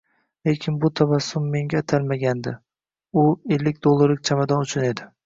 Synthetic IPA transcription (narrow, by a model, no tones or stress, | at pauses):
le̞kʲʰɪnbʊt̪ʰavasːʊmːe̞ŋɡʲaːt̪ʰalmaɡʲand̪ɪ | ʊelːɪk̚ʲd̪olˠːaɾlɪkʲt͡ʃʰamad̪ɒnʊt͡ʃʰʊne̞d̪ɪ